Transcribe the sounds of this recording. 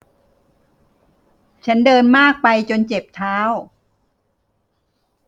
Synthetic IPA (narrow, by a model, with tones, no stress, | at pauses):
t͡ɕʰa˦˥ndɤː˧nmaː˥˩k̚pa˧jt͡ɕo˧nt͡ɕe˨˩p̚t̪ʰaː˦˥w